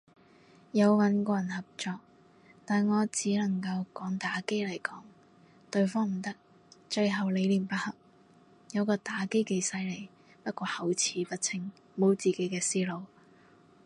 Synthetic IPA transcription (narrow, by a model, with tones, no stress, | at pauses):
jɐ˨˧wwɐ˨˧nkɔː˧jɐ˨˩nhɐ˨p̚t͡ʃɔː˧k̚ | t̪aː˨˩nŋɔː˨˧t͡siː˨˥lɐ˨˩ŋkɐ˧wkɔː˨˥ŋt̪aː˨˥ke˥jlɐ˨˩jkɔː˨˥ŋ | t̪ɵ˧ɥfɔː˥ŋm̩˨˩t̪ɐ˥k̚ | t͡ʃɵ˧jɦɐ˨wle˨˧jliː˨˩mpɐ˥t̚hɐ˨p̚ | jɐ˨˧wkɔː˧t̪aː˨˥ke˥jke˨˧jsɐ˧jle˨˩j | pɐ˥t̚kʷɔː˧hɐ˨˩wt͡sʰiː˨˥pɐ˥t̚t͡sʰɪ˨ŋ | mo˨˧wt͡siː˨ke˨˥jkɛː˧siː˥lo˨˧w